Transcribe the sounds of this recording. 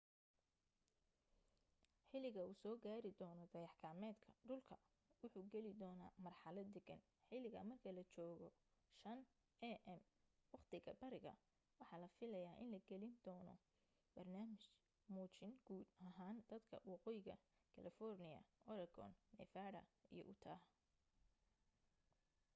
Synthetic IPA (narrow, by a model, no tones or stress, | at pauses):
ħɪlɪɣɐuːsɔːɡaːɾɪd̪ɔːnɔd̪ɐjɑħkʰaːmɛːd̪kʰɐɖʊlkʰɐ | wʊħuːɡɛlɪd̪ɔːnaːmɐrħɑlɐd̪ɛɡɐn | ħɪlɪɣɐmɐrkʰɐlɐt͡ʃɔːɣɔʃɐn | ʔɛʔɛm | wɑqt̪ʰɪɣɐ̰bɐɾɪɣɐ̰ | wɑħɑːlɐfɪlɐjaːʔɪnlɐɡɛlɪnd̪ɔːnɔ̰ | b̥ɐrnaːmɪʃ | muːt͡ʃɪŋɡ̥uːd̪ɐɦaːnd̪ɐd̪kʰɐ̰wɑqɔːjɪɣɐ̰ | kʰɐlɪfɔrnɪjɐ̰ʔɔɾɐɡɔ̰nːɛ̰faːɽɐ̰ḭjɔ̰ʔʊt̪ʰaːɦ